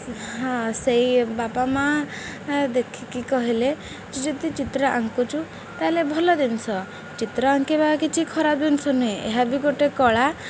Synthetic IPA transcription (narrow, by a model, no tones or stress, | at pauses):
ɦãseibapama | d̪ekʰikikɔɦile | d͡ʒid͡ʒɔd̪it͡ʃit̪ɾɔʔa̰ŋkut͡ʃʰu | t̪alebʱɔlɔd̪insɔ | t͡ʃit̪ɾɔaŋkebabakit͡ʃʰikʰɔɾabd̪insɔnuɦĩʔeɦabiɡoʈekɔɭa